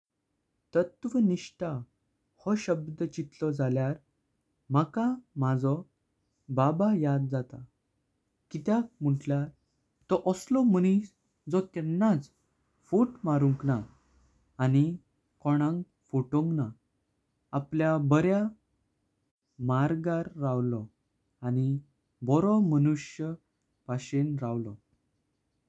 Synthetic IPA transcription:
t̪ət̪ʋəniɕʈa | hɔɕəbd̪t͡ɕit̪lɔd͡zaljaɾ | məkamad͡zɔ | babajad̪̚d͡zat̪a | kit̪jakm̤uʈljaɾ | t̪ɔʔɔslɔməñis | d͡zɔt̪ɛnːat͡s | fuʈmaɾuŋknaː | ni | kɔɽ̃ãŋɡ | foʈõŋɡnaː | pljabəɾja | maɾɡaɾːawlɔ | ani | bɔɾɔmənuʂjə | paɕenɾawlɔ

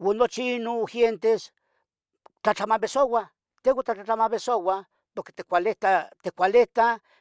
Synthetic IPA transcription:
wanːot͡ʃiinoxjent̪es | t͡ɬat͡ɬamabesowa | t̪ewʷat̪at͡ɬat͡ɬamaβesowa | poɾke̥t̪ekʷalet̪at̪ekʷaleht̪a

